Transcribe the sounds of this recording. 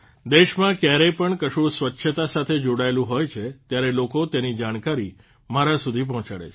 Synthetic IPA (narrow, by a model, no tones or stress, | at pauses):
d̪eʃmãkjaɾepəɳkəʃuɽsʋətːʃʰət̪asat̪ʰed͡ʒoɽaelũɦojt͡ʃʰet̪jaɾelokot̪enid͡ʒaɽ̃kaɾi | maɾasud̪ʱip̬ɔɦɔ̃t͡ʃaɽḛ